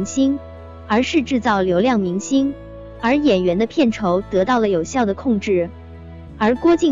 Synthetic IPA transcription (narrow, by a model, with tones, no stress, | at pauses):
ŋɕi˥ŋ | ə˞˧˥ʂɻ̩˥˧ʈ͡ʂɻ̩˥˧t͡sɑ˥˩ʊljo˧˥ʊljɑ˥˩ŋmi˧˥ŋɕi˥ŋ | ə˞˧˥jɛ˨˩nɥɛ˧˥nd̪ə˧pʰjɛ˥˩nʈ͡ʂʰo˧˥ʊt̪ɤ˧˥t̪ɑ˥˩ʊlə˩jo˨˩ʊɕjɑ˥˩ʊd̪ə˩kʰʊ˥˧ŋʈ͡ʂɻ̩˥˩ | ə˞˧˥kwɔ˥t͡ɕi˥˩